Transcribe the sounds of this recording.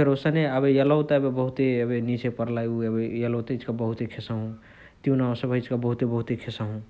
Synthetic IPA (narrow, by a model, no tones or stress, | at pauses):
pʰeɾosaneəbejəlɔwt̪abebəɦut̪eəbenit͡ʃepəɾlajuəejəlot̪eit͡ʃkabəɦut̪ekʰesaɦũ | t̪iũnãsəbəit͡ʃkabəɦut̪ebəɦut̪ekʰesaɦũ